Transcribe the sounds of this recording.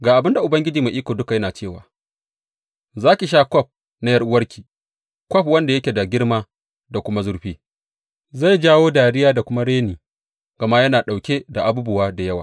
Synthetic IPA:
ɡaː˨ʔa˨bɪ˦nda˨ʔʊ˨bɐ˦ŋɡʲɪ˦d͡ʒiː˨ma˨ʔiː˦kʷoː˨dʊ˦ka˨jɐ˦naː˨t͡ʃeː˦˨wa̰ː˨ | zaː˦kʲi˨ʃ̬aː˦kʷɔ˦˨p̚ | na˦jɐ˦rʔʊ˦wɐ˦rkʲʰi˨ | kʷɔ˦p̚wɐ˦nda˨jɐ˦kʲe˨da˨ɡʲɪ˦ɽmaː˦ | da˨kʷʊ˦ma˦zʊ˦ɽɸiː˦ | za˦˨jd͡ʒaː˦woː˦daː˨ɽɪ˦jaː˦da˨kʷʊ˦ma˦ɽeː˦niː˨ | ɡɐ˨ma˦jɐ˦naː˨ɗa˨wkʲe˦da˨ʔa˨buː˦bʊ˦waː˦da˨jɐ˦wa̰ː˨

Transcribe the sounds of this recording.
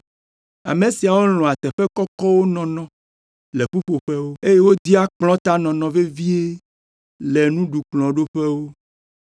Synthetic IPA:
a̰˨me˨si˨a˨wo˦lɔ̃˨a˨t̪ɛ˨ɸe˦kɔ˦kɔ˦wo˦nɔ̃˨nɔ̃˨ | le˨ɸu˦ɸo˨ɸe˦wo˦e˦je˦wo˦d̪i˦a˦k͡plɔ̃˦t̪a˦nɔ̃˨nɔ̃˨ve˦vi˦e˦ | le˨nũ˦ɖu˨k͡plɔ̃˨ɖo˦ɸɛ˦wo˦

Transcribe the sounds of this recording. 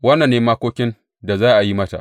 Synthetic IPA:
wɐ˦nːɐ˨nːeː˦maː˦kʷoː˦kʲɪ˦n | da˨zaː˦ʔa˨ji˦mɐ˦ta̰˨ʔ

